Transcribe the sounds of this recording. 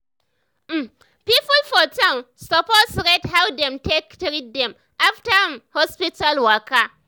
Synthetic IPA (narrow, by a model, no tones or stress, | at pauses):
pipʊlfɔtãm | sɔpostɾetɦawdɛ̃mtektɾid̚dɛ̃m | ʔaftamhɔspitalwaka